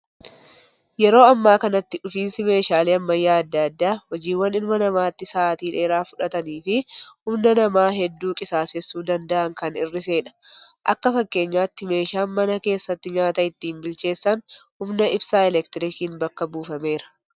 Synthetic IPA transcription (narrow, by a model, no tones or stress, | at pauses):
jɛɾo̞ːɐmːaːkɐnɐt̪ːɪᶑʊfiːnsɪme̞ːʃaːleːɐmːɐjːaːɐd̪ːɐɐd̪ːaːhɔd͡ʒiːwːɐnɪlmɐnɐmaːt̪ːɪsaːt̪iːᶑe̞ːɾaːfʊᶑɐt̪ɐniːfɪhʊmnɐnɐmaːɦɛd̪ːuːkʼɪsaːsɛsːuːd̪ɐnd̪ɐʔɐŋkɐnɪrːɪse̞ːᶑɐ̥ʔɐkːɐfɐkːe̞ːɲːaːt̪ːɪme̞ːʃaːnmɐnɐke̞ːsːɐt̪ːɪɲaːt̪ɐɪt̪ːiːmbɪlt͡ʃe̞ːsːɐnhʊmnɐɪbsaːɛlɛkt̪ɪɾɪkiːnbɐkːɐbuːfɐme̞ːɾɐ̥